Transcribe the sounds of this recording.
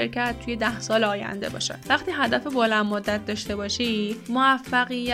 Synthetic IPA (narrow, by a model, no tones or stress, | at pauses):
eɾcʰæt̪̚tʰːuːje̞d̪æhsɒːleɒːjæ̰nd̪e̞̰bɒ̰ːʃæ̰væχt̪iːɦæd̪æfebolænmod̪ːæt̪̚ʰd̪ɒːʃt̪e̞bɒːʃiːmoæfːæɣijːæ